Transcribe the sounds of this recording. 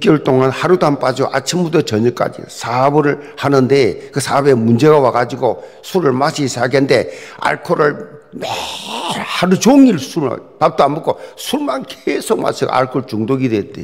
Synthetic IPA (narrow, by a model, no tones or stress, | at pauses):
k͈joɭt͈oŋanhaɾudamp͈ad͡ʑiɡo̰ʔat͡ɕʰimbudʌt͡ɕʌɲʌk͈a̰d͡ʑḭsʰabɯɾɯ | hanɯnde̞kɯsʰabe̞mund͡ʑe̞ɡawaɡad͡ʑiɡo | sʰuɾɯɭmaɕʰisʰaɡende̞a̰ɭkʰoɾɯɭm | haɾud͡ʑoŋiɭsʰuɾ̰pap̚t͈oambuk͈ʰosʰuɾmankesʰok̚ma̰t͡ɕʰiɡo̰a̰ɭkʰoɭt͡ɕuŋdoɡidwet͈e